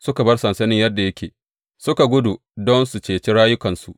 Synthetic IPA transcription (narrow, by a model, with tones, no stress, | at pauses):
sʊ˦ka˨bɐ˦rsɐ˨nsɐ˦nɪ˦jɐ˦dːa˨jɐ˦kʲeː˨ | sʊ˦ka˨ɡʷʊ˦du˨ | dɔ˦nsu˨t͡ʃeː˨t͡ʃi˦ɽaː˦jʊ˦kɐ˨nsu˨ʔ